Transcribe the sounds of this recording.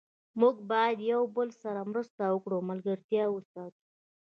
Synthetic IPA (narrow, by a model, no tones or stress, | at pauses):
muɡbɑjad̪jawbəlsaɾamɾəst̪awəkɽomalɡaɾt̪jɑwəsɑt̪u̥